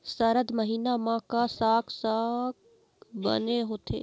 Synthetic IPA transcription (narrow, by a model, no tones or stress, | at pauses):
sɐɾəd̪məɦiːnamãkasaːksaːk | bɐ̰neɦʊt̪ʰḛː